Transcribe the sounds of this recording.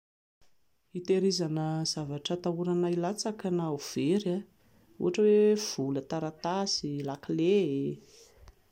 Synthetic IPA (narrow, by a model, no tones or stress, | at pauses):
it̪eɾizanəz̥avaʈ͡ʂət̪auɾanailat͡sakanauv̥eɾa | ṵɦaʈ͡ʂəwev̥ulət̪aɾat̪asilakilee